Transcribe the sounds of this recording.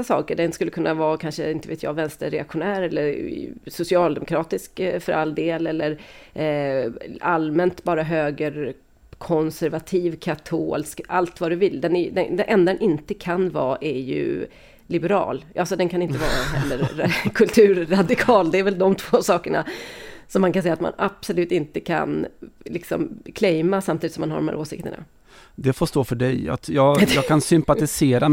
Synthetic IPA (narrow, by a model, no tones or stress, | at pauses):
sasɑ̰ːkəɖɛnskɵlːəkʰɵnːavɑːkʰanʂə̰ɪnt̪əveːt̪jɑ̰ːvɛnst̪əɾɛakɧʊnæːɾɛlːəɾsʊsɪɑːld̪ɛmʊkʰɾɑːt̪ɪskfœɾʔalːd̪eːlɛlːəɾ | almɛnt̪bɑːɾaɦøːɡəɾ | kʰɔnsæɾvat̪ʰiːvkʰat̪ʰoːlska̰lt̪vadɾɵvɪlːd̪ɛnɛd̪ɛd̪ɛnʔɛnd̪ad̪ɛnʔɪnt̪əkʰanvɑːʔɛjɵ̰ | lɪbɛɾɑ̰ːlʔalsɔd̪ɛnkʰanɪnt̪əvɑ̰ːɾaɦɛ̰lːəɾkʰɵlt̪ʰʉ̟ːɾːad̪ɪkʰɑːld̪ɛːɾvɛld̪ɔmt̪ʰv̥oːsɑːkəɳa̰sɔmːankansɛjːat̪ma̰napsɔlʉ̟ːt̪ɪnt̪əkʰa̰nlɪksɔ̰mkʰlɛjmasamt̪id̪ɪsɔmːanha̰ɖɔmhæ̰ɾʔoːsɪ̰k̚t̪ə̰ɳa̰ | d̪ɛfoːʂt̪oːfœɖɛjɑ̰jɑːɡjɑːkʰansʏmpat̪ɪseːɾa